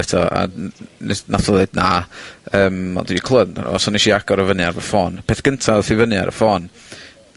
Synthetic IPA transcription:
ɛtʰɔa̰ | naθɔðeɨdnaəːmːa̰ndwiikʰlˠənda̰n̰ɔsɔniʃiaɡ̥ɔɾəvənjaɾvɔfɔːnpʰeθɡ̥əntʰaðfɪvənja̰ɾə̰fɔːn

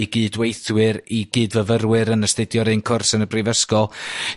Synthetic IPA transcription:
iɡiːdwejθwɨɾiɡ̥iːdvəvərwɨɾənəstɪdjɔɾɨnkʰʊrsənəbrivəskɔ

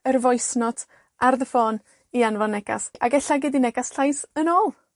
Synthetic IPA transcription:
ərvɔjsnɔd̥ | ʔarðəfoːn | ianvanːɛɡ̥a̰saɡɛɬaɡɪdinɛɡasɬajsənoːlˠ

